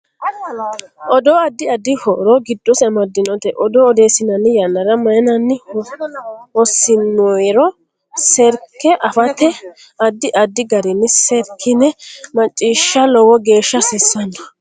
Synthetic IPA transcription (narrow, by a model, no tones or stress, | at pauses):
ʔɔd̪oːɐd̪ːɪɐd̪ɪhɔɾɔɡɪd̪ːɔsɛmɐd̪ːɪnɔt̪ɛʔɔd̪ɔɔd̪eːsɪnɐnːɪjɐnːɐɾɐmɐjnɐnːɪ | hɔsːɪnːɔjɾɔ | sɛɾkːɛʔɐfɐt̪ːɛ | ɐd̪ːɪʔɐd̪ːɪɡɐɾɪnːɪsɛɾkʰːɪnːɛmɐt͡ʃʼːiːʃːɐlɔwɔɡe̞ːʃːɐsɪsːɐndɔ